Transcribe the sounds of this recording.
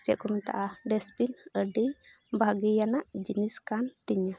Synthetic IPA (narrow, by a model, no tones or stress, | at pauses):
d͡ʒɛʔkɔmɛt̪a̰ʔaɖɛsbinəɖi | bʱaɡijanaʔd͡ʒiniskanʈiɲa